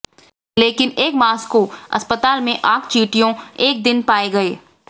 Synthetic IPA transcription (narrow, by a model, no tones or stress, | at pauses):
leːkɪneːkmaːskoɐ̰spət̪aːlmẽʔaːkt͡ʃiːʈijõeːk̚d̪ɪnpaːeɡɐeː